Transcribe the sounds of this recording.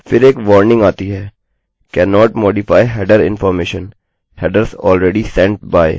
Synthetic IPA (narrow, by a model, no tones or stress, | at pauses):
fɪɾeːkʋɔːɾnɪ̃ŋɡaːt̪iɦɛː | kɛːnɔːʈmoːɖɪfaːɪjɦɛːɖəɾɪ̰̃nfɔːɾmeːʃə̃n | hɛːɖəɾsɔ̰ːlɾɛːɖisɛ̃ɳʈ̚baːɪ